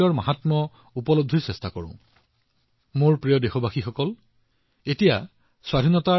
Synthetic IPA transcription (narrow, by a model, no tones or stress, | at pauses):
ɔɹma̰ɦatmɔ | upɔlob̚d̪ʱiɹsɛstakɔɹʊ̰̃ | moɹpɹijɔdexobaxixɔkɔl | etija | swadʱinɔta